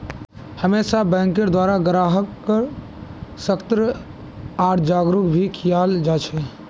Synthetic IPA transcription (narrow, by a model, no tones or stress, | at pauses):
həmeːsabɛ̃ːŋkəɾd̪waːɾaɡɾaːɦəkːəɾ | səkt̪ɾə | aːʈd͡ʒaːɡɾʊkbʱikʰijaːld͡ʒaːt͡ʃʰɛ